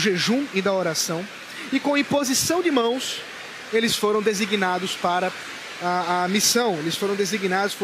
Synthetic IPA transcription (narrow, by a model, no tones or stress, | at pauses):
ʒeʒũɪd̪ɐoɾasɐ̃w̃ | ɪkõɐĩpozisɐ̃w̃d͡ʒɪmɐ̃w̃s | elɪsfoɾɐ̃w̃d̪eziɡnad̪ʊspaɾɐ | aɐmisɐ̃w̃elɪsfoɾɐ̃w̃d̪eziɡinad̪ʊsp